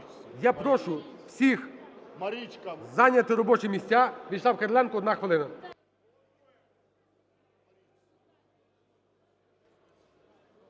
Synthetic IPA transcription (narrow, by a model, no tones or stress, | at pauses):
japɾɔʃʊ | w̥sʲix | zanʲɐt̪ɪɾɔbɔt͡ʃɪmʲisʲtʲaʋʲid̪ʃlˠɑwkɐɾlʲˠɛnkʊɔd̪naxʋelˠɪnɐ